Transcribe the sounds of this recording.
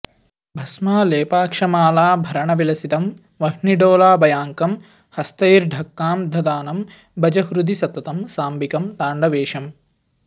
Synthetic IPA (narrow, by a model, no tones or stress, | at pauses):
bʱɐsmaːleːpaːkʂɐmaːlaːbʱɐɾɐɳɐʋilɐsit̪ɐm | ʋɐɦɳiɖoːlaːbɐjaːŋkɐm | hɐst̪ɐjɾɖʱɐkːaːmd̪ʱɐd̪aːnɐm | bɐd͡ʒɐɦɾud̪isɐt̪ːɐt̪ɐmsaːmbikɐmt̪aːɳɖɐʋeːʂɐm